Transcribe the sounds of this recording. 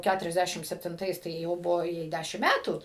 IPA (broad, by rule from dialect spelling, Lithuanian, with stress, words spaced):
ˈkʲætʊrʲɛzʲˌdʲæʃʲɪm sʲɛpʲtʲɪnˈtɐɪs tɐɪ ˈjɛʊ ˈbʊʋoː ˈjɛɪ ˈdʲæʃʲɪm ˈmʲætuː